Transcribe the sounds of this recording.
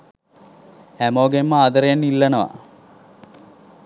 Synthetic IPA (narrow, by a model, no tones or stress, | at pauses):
æmoːɡemːəaːd̪əɾejanːilːɐnəʋa̰